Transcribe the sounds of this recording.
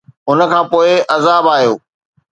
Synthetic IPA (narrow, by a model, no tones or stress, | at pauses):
ʊnə̆kʰãːpoːɪʔɐzaːbaːɦijo̰ː